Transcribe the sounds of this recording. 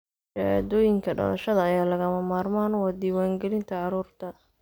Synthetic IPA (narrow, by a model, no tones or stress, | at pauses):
ʃɐa̰ːd̪ɔːjɪŋkʰɐɖɐ̰lɐ̰ʃɐðɐːjaːlɐɣɐmɐmaːrmaːnwɑːd̪iːwaːŋɡɛlɪnt̪ʰɐʕɑɾuːrt̪ʰɐ